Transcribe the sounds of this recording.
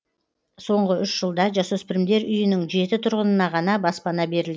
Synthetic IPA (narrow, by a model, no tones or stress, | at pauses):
so̞ɴʁəʔʏʃʒəlˠd̪ɑʒɑsɵspɪɾɪmd̪e̞ɾʏjɪnɪŋʒe̞t̪ɪt̪ʰʊɾʁənənɑʁɑnɑbɑspɑnɑbe̞ɾɪlɡ